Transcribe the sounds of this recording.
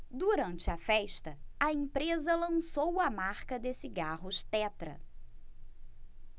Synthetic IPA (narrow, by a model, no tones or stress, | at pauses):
d̪uɾɐ̃nt͡ʃɪɐfɛʃt̪ɐɐẽpɾezɐlɐ̃sowɐmaɾkɐd̪esiɡaɦʊʃt̪ɛt̪ɾɐ̰